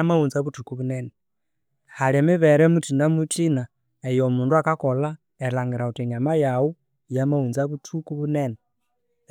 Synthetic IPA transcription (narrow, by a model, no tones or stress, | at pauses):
amaunzaβutʰukuβunɛnɛ | halɛmiβɛɾɛmutʰindamutʰʼina | ɛjɔmunduakakɔla | ɛlaŋɡiɾautɛɲamajau | jamaunzaβutʰukuβunɛnɛ